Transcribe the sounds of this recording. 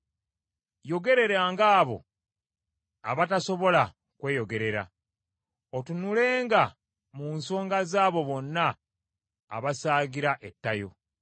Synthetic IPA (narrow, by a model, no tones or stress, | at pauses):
jo̞ɡe̞ɾe̞ɾaːŋɡaːβo̞̰ | a̰βataso̞βo̞la | kwe̞ːjo̞ɡe̞ɾe̞ɾa̰ | otunule̞ːŋɡa | munso̞ːŋɡazaːβo̞βo̞nːa̰ː | βasaːɡiɾaʔetːajo̞̰